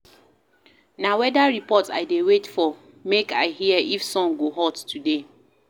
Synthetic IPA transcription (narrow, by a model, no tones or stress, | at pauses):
nawɛdaɹipɔta̰ɪdewetfɔ | mekaɪɦiəʔifsɔ̃ŋɡoɦɔdtʰude